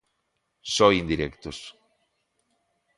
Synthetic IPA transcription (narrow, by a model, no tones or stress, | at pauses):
sojind̪iɾekt̪os